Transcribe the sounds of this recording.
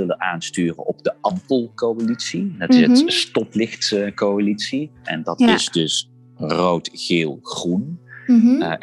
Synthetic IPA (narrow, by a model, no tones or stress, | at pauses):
ɪlənaːnstyːrə̰nɔbdəɑmpəlˠkowalitsidɑtɪsətstɔplɪχtkowalitsiɛ̰ndɑtɪzdɵs | rowtɣeːlˠχrun